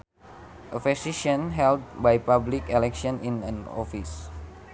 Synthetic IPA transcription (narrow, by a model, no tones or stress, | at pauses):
ʔəfɛsiʃɔ̃nɦɛld̚bajpablikɛlɛkʃiɔ̃nĩnã̰nɔ̰fis